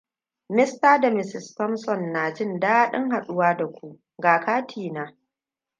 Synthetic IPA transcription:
mɪ˦staː˦da˨mɪ˨sɪ˨stɔ˦msɔ˦˨nːaː˨d͡ʒɪ˦ndaː˦ɗɪ˦ŋɦa˨ɗʊ˦waː˦da˨kʷu˦ʔ | ɡaː˨kaː˦tʰiː˨naː˦

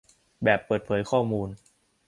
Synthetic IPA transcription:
bɛː˨˩pːɤː˨˩t̪̚pʰɤː˩˦jkʰɔː˥˩muː˧n

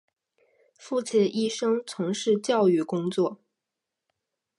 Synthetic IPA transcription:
fu˥˩t͡ɕʰɛ˥˩ʔi˥˩ʂɤ˥ŋt͡sʰʊ˧˥ŋʂɻ̩˥˧t͡ɕjɑ˥˧ʊy˥˩kʊ˥ŋt͡swɔ˥˩

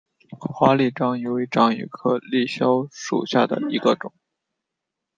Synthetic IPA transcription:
xwa˥li˥˩ʈ͡ʂɑ˥ŋi˧˩we˧˥ʈ͡ʂɑ˥˩ŋy̰˨˩kʰɤ˥˧li˥˩ɕjɑ˥ʊʂṵ˨˩ɕja˥˩d̪ə̰˩i˧˥ɡə˧ʈ͡ʂʊ˨˩˦ŋ

